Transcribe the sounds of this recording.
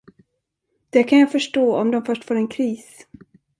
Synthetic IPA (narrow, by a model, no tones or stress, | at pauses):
d̪̥ɛkʰanjaːfœʂʈoːɔmd̪ɔmfœʂʈfoːɾɛnkʰɾiːs